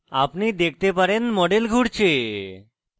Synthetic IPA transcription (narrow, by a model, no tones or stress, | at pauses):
apnid̪ek̚ʰt̪epaɾenmɔɖelɡʱuɽt͡ɕʰe